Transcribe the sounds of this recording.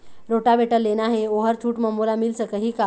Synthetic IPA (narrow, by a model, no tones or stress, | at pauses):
ɾoʈabʱeʈəlːenaɦeoɦəɾt͡ɕʰuːʈməmːulamilsəkəɦiːka